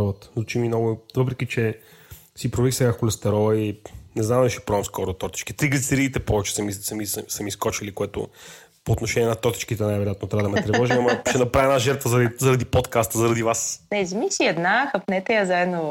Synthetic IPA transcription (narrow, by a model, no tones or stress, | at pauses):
ɔvət̪lˠut͡ʃiminɔɡʊvɤpɾɛk̟it͡ʃɛ | sipɾovɛɾixsɛɡaxolɛst̪ɛɾɔinɛznamd̪ɐɛʃi̥pɾɔɛmskɔɾʊt̪ɔt̪i̥t͡ʃki̥t̪ɾiɡlit̪sɛɾiːt̪ɛpɔvɛt͡ʃɛ̥sɐmisɐmissɐmiskɔt͡ʃilikoɛt̪ʊ̰ | poːt̪noʃɛnʲiɛnɐt̪ɔt̪i̥t͡ʃkit̪ɛnajvɛɾijat̪not̪ɾavəd̪ɐmɛt̪ɾɛvɔʒimɐmɐʃɛnɐpɾavʲiɛnaʒɛɾt̪vəzɐɾd̪izɐɾɐd̪ipot̪kast̪əzɐɾɐd̪ivasnɛzmisiɛd̪naxɐpnɛt̪ɛjəzaɛd̪no